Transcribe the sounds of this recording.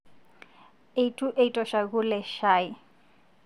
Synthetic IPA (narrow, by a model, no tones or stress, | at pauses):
eitʰʼuʔeitʼɔʃaɣulɛʃaji